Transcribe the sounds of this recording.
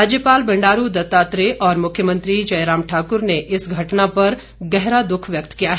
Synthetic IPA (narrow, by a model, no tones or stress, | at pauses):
aːd͡ʒjəpaːlbɐ̃ɳɖaːɾud̪ɐt̪aːt̪ɾeʔɔːɾmʊkʰjəmə̃nt̪ɾid͡ʒɐjɾaːmʈʰaːkʊɾneʔɪsɡʱɐʈnapɐɾ | ɡɛɦɾad̪ʊkʰʋjɐk̚t̪kijaɦɛ